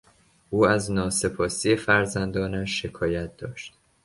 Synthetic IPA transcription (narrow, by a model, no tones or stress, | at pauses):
ʔuːæznɒːse̞pʰɒːsije̞fæɾzænd̪ɒːnæʃːe̞kʰɒːjæt̪̚d̪̥ɒːʃt̪̚